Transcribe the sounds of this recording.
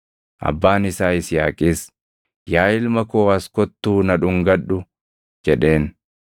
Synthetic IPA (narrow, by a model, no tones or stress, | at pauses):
ʔɐ̰bːaːnɪsaːɪsjaːkʼiːs | jaːɪlmɐkoːɐskɔt̪ːuːnɐᶑʊŋɡɐᶑːʊ | d͡ʒɛᶑe̞ːn